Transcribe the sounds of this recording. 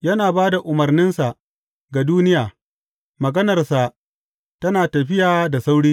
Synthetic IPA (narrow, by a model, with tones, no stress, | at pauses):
jɐ˦naː˨baː˦da˨ʔʊ˨mɐ˨rnɪ˦nsa˨ʔ | ɡa˨duː˦nɪ˦jaː˨ | mɐ˨ɡɐ˦nɐ˨rsa˨ | tɐ˦naː˨tɐ˨ɸɪ˦jaː˨da˨sa˦wɽiː˦